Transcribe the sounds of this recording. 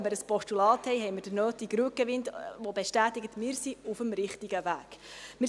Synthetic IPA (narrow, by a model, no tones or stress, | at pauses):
məɾəspɔʃtulɑːthɛjɦɛjməd̥ənøːtiɡɾʉəkəʋɪntvobeʃtæːt̪iɡət̪mɪːɾsiufəmɾɪχtiɡəvæːɡ̥mɪː